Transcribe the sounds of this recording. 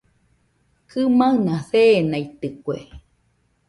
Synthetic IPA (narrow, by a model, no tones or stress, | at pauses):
kʰɨmaɨnaθeːnait̪ɨkʷḛ